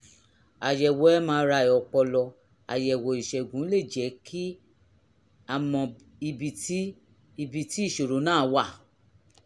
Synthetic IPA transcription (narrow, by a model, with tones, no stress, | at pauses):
a˨jɛ˨wɛ˨˦mãː˧˦˧ɾa˧˨e˨ɔ˨k͡pɔ˧lɔ˧ | a̰˨jɛ˨wɔ˨i˨ʃɛ˨ɡũ˨˦le˦˨d͡ʒɛ˨˦kʰi˦ | a˨mɔ̃˧ | i˧bi˧ti˦ | i˧bi˧ti˦i˦˨ʃo˨ɾo˨˦nãː˦˨˦wa˦˨